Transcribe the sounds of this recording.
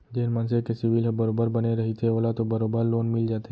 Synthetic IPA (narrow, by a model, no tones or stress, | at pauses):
d͡ʒeːnmə̃nsekesɪʋɪlɦbəɾoːbəɾbəneɾɐɦit̪ʰeoːlat̪obəɾoːbəɾloːnmɪld͡ʒaːt̪e